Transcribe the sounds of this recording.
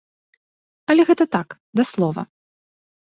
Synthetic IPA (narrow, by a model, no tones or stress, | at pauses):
ɐlʲɛɣɛt̪ɐt̪ak | d̪ɐslˠɔvɐ̰